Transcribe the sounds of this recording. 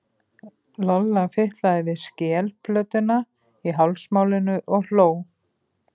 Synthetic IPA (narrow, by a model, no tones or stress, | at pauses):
lɔlːafɪht̪laðɪvɪðscɛːlplœːt̪ʏna | iɦawlsmaːwlɪnʏʔɔɣl̥oːw